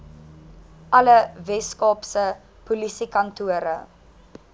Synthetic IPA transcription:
ʔɐləvɛskɑːpsə | pulisikɐntuəɾə

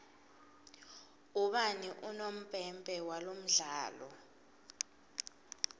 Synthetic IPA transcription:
uɓaniʔunom̩pʼɛmpʼɛwalom̩ɮaːlɔ̰

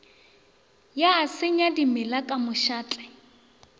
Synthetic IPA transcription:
jaːsɪɲadimɪlakʼamʊʃaːt͡ɬʼɛ

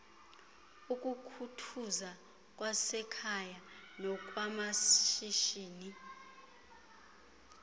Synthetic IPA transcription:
ukʼukʰutʰuza | kʼwasɛkʰajanɔk̬ʼwamaʃiʃiːni

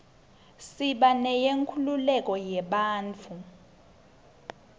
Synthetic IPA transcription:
siɓanɛjeŋkʰululɛk̬ʼɔjɛɓaːnt͡fʰu

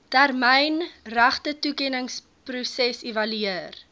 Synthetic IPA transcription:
tærmɛjnræχtətukɛnəŋs | prusɛsivɐlyər

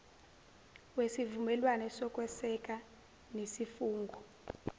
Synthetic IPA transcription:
wesivumɛlwanɛsɔkʼwɛsɛk̬ʼa | nesifuːŋɡʱɔ

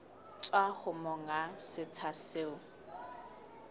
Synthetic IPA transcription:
t͡sʼwaχʊmɔŋasɪt͡sʰaseːʊ

